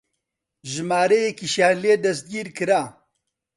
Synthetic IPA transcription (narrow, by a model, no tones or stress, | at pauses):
ʒɪmaːɾejekiʃaːnleːd̪ɐst̪̚ɡiːɾkɨɾaː